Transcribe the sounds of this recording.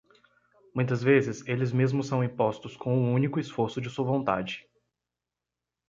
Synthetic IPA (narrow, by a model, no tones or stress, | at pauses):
mũj̃t̪ɐzvezɪselɪzmezmʊsɐ̃w̃ĩpɔst̪ʊskʰõũũnikʊɪsfoɾsʊd͡ʒɪsuɐvõt̪a̰d͡ʒɪ